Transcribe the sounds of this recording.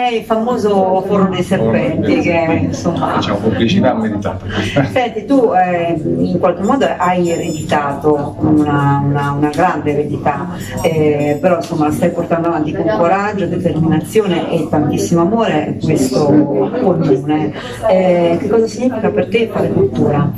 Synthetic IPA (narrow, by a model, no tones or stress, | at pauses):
ɛilfamoːzofoɾmod̪ejserpɛnt̪ik̟einsomːa̰t͡ʃamokumplit͡ʃit̪amːed̪it̪a̰t̪nsɛnt̪ːit̪uɛiŋkwalk̟emːɔːd̪oʔajered̪it̪aːt̪onaunaunaɡɾand̪eved̪it̪a | ɛpeɾɔinsomːalast̪ajport̪and̪oavant̪ikoŋkoɾad͡ʒːod̪et̪erminat̪sːjoːneʔet̪ːant̪isːimoamoːɾekwest̪okomuːne | ɛk̟ekːɔːzasiɲːiːfikapert̪efaːlekult̪ːuːɾa